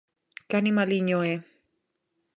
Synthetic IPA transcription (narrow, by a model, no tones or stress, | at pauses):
kanimaliɲoe